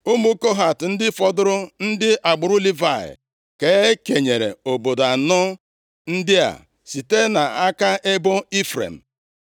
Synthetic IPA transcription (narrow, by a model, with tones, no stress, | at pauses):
u˦mu˦ko˦ɦa˨tn̩˦dɪ˦fɔ˨dʊ˦ɾʊ˦n̩˦dɪ˦ʔa˨ɡ͡bʊ˨ɾʊ˦li˦va̰˨ | ke˨˦ke˨ɲe˨ɾḛ˨o˨bo˨da˨nɔ˦ | n̩˦dɪ˦a̰˨ | si˨te˦na˨a˦ka˦ʔe˦bo˦i˦fɾḛ˨m̩˨